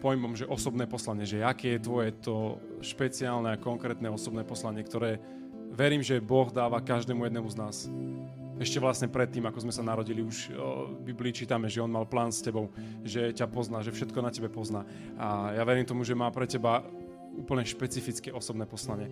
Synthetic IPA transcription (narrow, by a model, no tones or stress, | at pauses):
pɔjmɔmʒɛʔɔsɔbnɛːpɔslaɲɪɛʒɛakɛːjɛt̪ʋɔjɛt̪ɔ | ʃpɛt͡siaːlnɛakɔŋkɾɛːt̪nɛɔsɔbnɛːpɔslaɲɪɛkt̪ɔɾɛː | ʋɛɾiːmʒɛbɔɣd̪aːʋakaʒd̪ɛːmujɛd̪nɛmuznaːs | ɛʃcɛʋlasɲɛpɾɛt̪ːiːmakɔzmɛsanaɾɔɟiliuʒbibliːt͡ʃiːt̪amɛʒɛɔnmalplaːnscɛbɔʊ | ʒɛcapɔznaːʒɛfʃɛt̪kɔnacɛbɛpɔznaː | ajaʋɛɾiːmt̪ɔmuʒɛmaːpɾɛcɛba | uːpl̩ɲɛʃpɛt͡sifit͡skɛɔsɔbnɛːpɔslaɲɪɛ